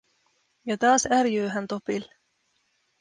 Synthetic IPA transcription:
jɑt̪ɑːsærjøːɦænt̪o̞pil

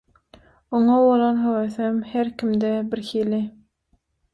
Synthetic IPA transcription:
oŋɑβolˠonɦøweθemheɾkimd̪ebiɾxiːli

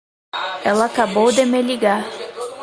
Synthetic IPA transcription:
ɛlˠakabowd̪emelʲiɡa

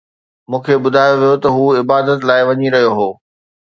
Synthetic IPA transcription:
mũːkʰeɓʊd̪ʱaːjoʋijot̪ɐɦuːɪbaːd̪ət̪laːɪʋɐɲiɾɐɦijoɦoː

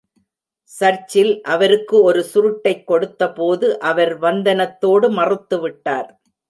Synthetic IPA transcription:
sɐɾt͡ʃːɪlʔɐʋɐɾɯkːɯɔɾɯsʊɾɯʈːɐɪkːɔɽɯt̪ːɐpoːðɯʔɐʋɐɾʋɐnd̪ɐnɐt̪ːoːɽɯmɐrɯt̪ːɯʋɪʈːaːɾ

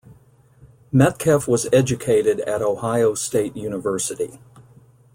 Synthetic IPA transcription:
mɛt̚kʰɛfwʌzɛd͡ʒɨkʰeɪɾɨɾɨ̰ɾoʊhaɪoʊsteɪʔ̚jʉnəvɜ˞sɨɾḭ

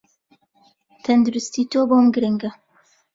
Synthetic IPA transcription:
t̪ʰɐnd̪uɾʊst̪it̪ʰoːbomɡɨɾɨŋɡɐ

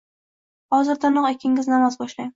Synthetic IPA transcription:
hɒzɪɾd̪anʊqekʲʰːɪŋɪznamazbɒʃlajm

